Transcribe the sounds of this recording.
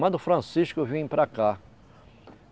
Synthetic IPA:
mɐ̃d̪ʊfɾɐ̃siʃkʊvĩpɾaka

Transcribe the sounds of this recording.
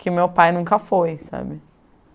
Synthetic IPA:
kʰɪmewpajnũkɐfojsa̰bɪ

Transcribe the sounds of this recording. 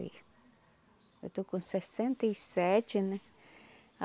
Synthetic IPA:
ḭ | et̪ukunsesẽnt̪iiset͡ʃinẽ | a

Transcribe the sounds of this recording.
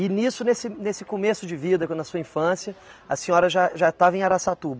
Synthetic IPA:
ɪnisʊnesɪnesɪkomesʊd͡ʒɪvid̪ɐknɐsuɐĩfɐ̃sjɐɐsĩɲɔɾɐʒaʒat̪avɐẽaɾasat̪ubɐ

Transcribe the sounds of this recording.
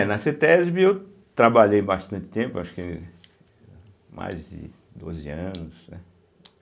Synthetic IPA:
ɛnɐset̪eɛzbiew | t̪ɾabaʎejbast̪ɐ̃nt͡ʃɪ̥t̪ẽpʊaʃʊ̥kɪ | ma̰jzd͡ʒɪ̰ | d̪o̰zɪɐ̃nʊsnɛ

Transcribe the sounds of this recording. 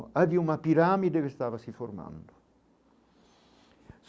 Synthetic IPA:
aviumapiɾaːmid̪ekest̪aːvasiforma̰nd̪ʊ | s

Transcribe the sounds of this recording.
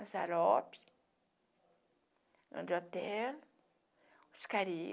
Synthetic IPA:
sa̰lɔpi̥ | nã̰d͡ʒot̪ɛl | uskaɾi

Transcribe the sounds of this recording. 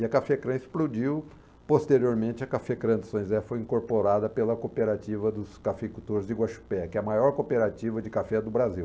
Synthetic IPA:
ɪɐkafɛkɾɐ̃ɪsplud͡ʒiw | post̪eɾioɾmẽnt͡ʃɪɐkafɛkɾɐ̃d̪ʊsõj̃zɛfojĩŋkoɾpoɾad̪ɐpelɐkopeɾat͡ʃivɐd̪ʊskafekut̪oɾɪzd͡ʒɪɡwaʃu̥pɛkɪɛɐmajɔɾkopeɾat͡ʃivɐd͡ʒɪkafɛd̪ʊbɾaziw

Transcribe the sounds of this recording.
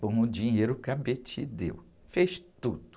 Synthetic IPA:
õw̃ʊd͡ʒĩɲejɾʊkabet͡ʃid̪ḛw | feʃt̪ud̪ʊ

